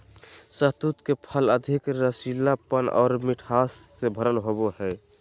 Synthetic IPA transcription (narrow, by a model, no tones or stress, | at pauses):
sət̪ut̪kepʰələd̪ʱikɾəsilnapənɔ̰ːɾmiʈʰasːebʱəɾəlɦobohɛ